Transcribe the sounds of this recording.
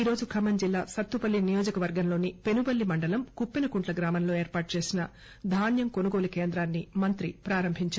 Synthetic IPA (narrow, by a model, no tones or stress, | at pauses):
iːɾo̞ːd͡ʒukʰɐmɐnd͡ʒilːaːsɐt̪ːupɐlːinijoːd͡ʒɐkɐʋɐɾɡɐmlo̞ːnipe̞nubɐlːimɐɳɖɐlɐmkupːinɐkuɳʈlɐɡɾaːmɐmlo̞ːe̞ːɾpaːʈ̚t͡ʃe̞ːsinɐ | d̪ʱaːnjɐmko̞nuɡo̞ːlukeːnd̪ɾaːnːimɐnt̪ɾipɾaːɾɐmbʱiɲt͡ʃa